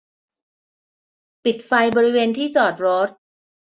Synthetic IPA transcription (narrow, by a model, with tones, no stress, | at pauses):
pi˨˩t̪̚fa˧jbɔː˧ɾi˦˥weː˧nt̪ʰiː˥˩sɔː˨˩t̪̚ɾɔː˦˥t̪̚